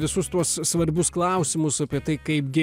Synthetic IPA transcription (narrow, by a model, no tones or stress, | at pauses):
ʋʲɪsʊst̪uɔssʋɐɾʲbʲʊsklˠɐˑʊsʲɪmʊsɐpʲiɛt̪ɐɪkɐɪpɡʲɪ